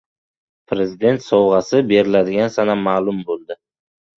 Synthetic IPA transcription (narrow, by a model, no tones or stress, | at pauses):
pʰɾe̞zɪd̪e̞nt̪sɒwʁɑsɪbe̞ɾɪlad̪ɪɡʲansanamːalˠʊmbolˠd̪ɪ